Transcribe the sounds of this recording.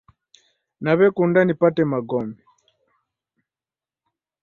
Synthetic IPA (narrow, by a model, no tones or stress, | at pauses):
naβɛkundanipatɛmaɡɔmbɛ